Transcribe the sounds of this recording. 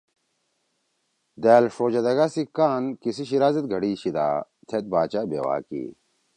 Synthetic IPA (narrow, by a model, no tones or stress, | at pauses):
d̪æːlʂɾoːd͡ʑɐd̪ɐɡasikaːnkisiɕiɾaːzɐt̪̚ɡʱɐɽiːɕid̪a̰ː | t̪ʰet̪̚baːt͡ɕabḛwa̰ːkḭː